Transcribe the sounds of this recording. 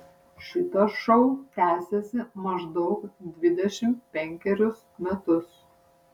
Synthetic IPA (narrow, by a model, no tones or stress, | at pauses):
ʃʲɪt̪ɐʃɔʊt̪ʲæːsʲesʲɪmɐʒd̪ɒʊkd̪ʲʋʲɪd̪ʲɛʃʲɪmtpʲɛŋʲkʲɛɾʲʊsmʲɛt̪ʊs